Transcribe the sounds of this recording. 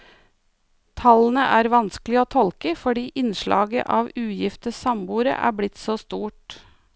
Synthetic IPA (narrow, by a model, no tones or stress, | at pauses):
t̪ʰɑlən̩əʔæːɾʋɑnsklɪoːt̪ʰɔlkəfɔɖiːʔɪnʃɭɑ̰ːɡə̰ʔɑːʋʉːjɪft̪əsɑmbuːɾə̰ʔæ̰ːblɪt̪soːst̪uːʈ